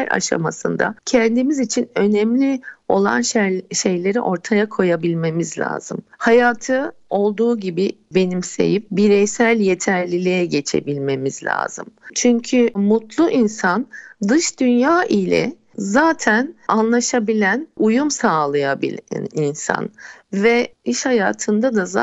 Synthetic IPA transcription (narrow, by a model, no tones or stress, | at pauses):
æɾa̰ʃa̰ma̰sɯ̰nd̪a̰cʰɛnd̪imizit͡ʃʰinø̞nɛmlʲio̞̰lˠa̰nʃʃe̞jlʲe̞ɾḭʔo̞ɾt̪ʰajakʰo̞jabilʲme̞mizlʲa̰ːzɯmhajaːt̪ʰɯ | o̞lˠd̪uːɟibibe̞nimse̞̰jip̚biɾɛjsælʲje̞t̪ʰæɾlʲilʲijɛɟe̞t͡ʃʰe̞̰bilʲme̞mizlʲa̰ːzɯmt͡ʃʰyɲcʰymut̪lˠuʔinsand̪ɯʃd̪ynjaːʔilʲɛ̰ | zaːt̪ʰænanlˠaʃabilʲænujumsaːlˠajabḭl̰ʲninsa̰nvɛiʃhajaːt̪ʰɯnd̪ad̪aza